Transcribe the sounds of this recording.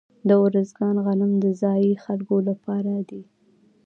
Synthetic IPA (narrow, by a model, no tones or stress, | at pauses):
d̪əwɾəzɡɑnɣalɪmd̪əzɑjixalkolapɑɾad̪i